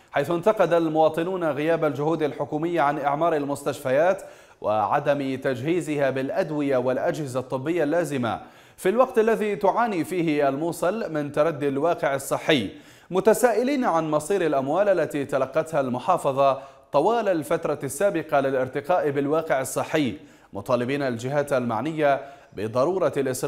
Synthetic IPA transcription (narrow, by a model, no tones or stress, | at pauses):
ħajθʊnt̪ɑqɑd̪almʊwɑːt̪ˤɨnuːnaɣɪjaːbald͡ʒʊhuːd̪alħʊkuːmɪjːaʕanʔɪʕmɑːɾˤalmʊst̪aʃfajaːt̪ | wʔɪ̰ʕa̰d̪amt̪ad͡ʒhiːzɪhabɪlʔad̪wɪjawɪlʔad͡ʒhɪzat̪ˤːɨbːɪjːalːaːzɪma̰ | filwɑqt̪ʔalːaðit̪ʊʕaːniːfiːhɪʔalmuːsˤɑlmɪnt̪ɑɾˤɑd̪ːalwɑːqɪʕɑsˤːɨħːɪjː | mʊt̪asaːʔɪliːnʕanmɑsˤiːɾalʔamwaːlʔalːat̪it̪alɑqːɑt̪halmʊħɑːfɑðˤɑ | t̪ˤɑwaːlalfat̪ɾˤɑsːaːbɪqɑlɪlʔɪɾt̪ɪqɑːʔbɪlwɑːqɪʕɑsˤːɨħːɪjː | mʊt̪ˤɑːlɪbiːnald͡ʒɪɦaːt̪alma̰ʕnɪjːa | bɪd̪ˤɑɾˤuːɾˤɑlʔɪs